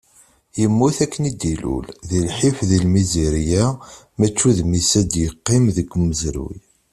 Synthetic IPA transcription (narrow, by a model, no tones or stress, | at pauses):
jəmːuθækːənid̪ilṵlðilħifðilmiziɾijæ | mæt͡ʃːuðmisæd̪jəqːimðəɡʷːməzɾṵj